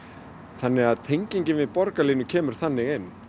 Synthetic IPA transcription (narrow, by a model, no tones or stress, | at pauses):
θanːɪɣaðt̪ʰejɲciɲcɪnvɪðpɔɾkaliːnʏcʰɛːmʏɾ̥θanːɪɣɪn